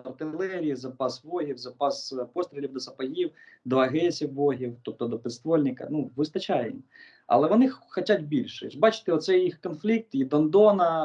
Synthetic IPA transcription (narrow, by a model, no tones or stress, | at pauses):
ɐrt̪ɪlˠɛɾʲijizɐpɑsʋɔɦʲiwzɐpɑspɔst̪ɾʲɪlʲiwd̪ɔsɐpɐɦiwd̪ɔɐɦɛsʲiwːɔɦʲiwt̪ɔp̚t̪ɔd̪ɔpɪst̪ʋɔlʲnʲɪkɐ̰nuʋɪst̪ɐt͡ʃajɛjḭm | ɐ̰lˠɛʋɔnɪxxɔtʲatʲbʲilʲʃɛt͡ʃbɑt͡ʃɪ̥t̪ɛɔt̪sɛjjixkɔnflʲik̚t̪id̪ɔnd̪ɔnɐ